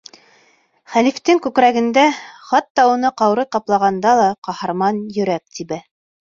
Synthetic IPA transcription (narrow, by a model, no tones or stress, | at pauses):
χælift̪ɘŋkʉkɾæɡɘ̆nd̪æχɑt̪ːɑunɤqɑwɾɤt̪ɑplˠɑʁɑnd̪ɑlˠɑqɑhɑɾmɑnjɵ̆ɾæk̚t̪ibɘ